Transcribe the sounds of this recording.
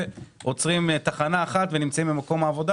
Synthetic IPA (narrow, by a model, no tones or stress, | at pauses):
ot͡sʁimt̪aχanaːχat̪venimt͡saimbimako̞maːvo̞d̪a